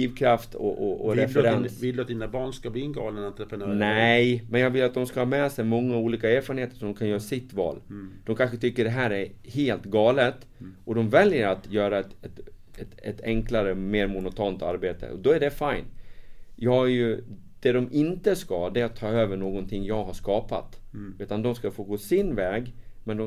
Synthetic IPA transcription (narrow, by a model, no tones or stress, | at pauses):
iːvkʰɾaft̪ɔ̰ʔɔʔɔɾɛfɛɾɛnvɪld̪at̪̚d̪inabɑːɳskabliːnɡɑ̰ːlənt̪ːɾɛfnnɛjmɛnjɑːɡvɪlːat̪̚d̪ɔmskahɑːmɛːsɛjmɔŋːauːliːkaɛːɾfɑɾənheːt̪ə̥ʂɔɔmkʰanjœːɾasɪt̪ːvɑ̰ːld̪̥ɔmkʰanɧət̪ʰʏkːəɖɛɦæːɾæɾheːlt̪ɡɑːlət̪ | ɔd̪ɔmvɛljəɾat̪jœːɾaɛt̪ɛt̪ɛt̪ɛt̪ʰɛŋklaɾəmeːɾmʊnʊt̪ʰɑnt̪a̰ɾbeːt̪ə̰ɔd̪ɔæɖɛfajnjɑːjɵ | d̪̥ɛd̪ɔmɪnt̪əskɑd̪ɛæɾat̪ʰːɑːøːvəɳoːɡɔnt̪ʰɪŋːjɑːɡɦaʂkɑːpa̰t̪ʉ̟ːt̪and̪ɔmskafoːɡoːsɪnvɛːɡmɛnd̪ɔ